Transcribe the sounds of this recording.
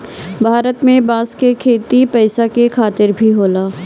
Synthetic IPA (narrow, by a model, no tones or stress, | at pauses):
bʱaːɾət̪mẽbãːskekʰeːt̪ipɛːsakekʰaːt̪ɪɾbʱiɦoːlaː